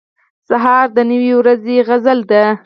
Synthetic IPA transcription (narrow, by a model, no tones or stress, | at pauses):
saɦɑɾd̪ənəwiwɾazeɣazəld̪a